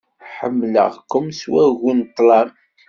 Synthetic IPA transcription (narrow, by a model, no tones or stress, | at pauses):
ħəmːlə̰ʁkːʊmswæɣunt̪ˤːlɑm